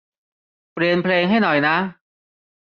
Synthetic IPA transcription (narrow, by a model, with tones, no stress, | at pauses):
pɾi˧ənpʰleː˧ŋɦa˥˩jnɔ˨˩jna˦˥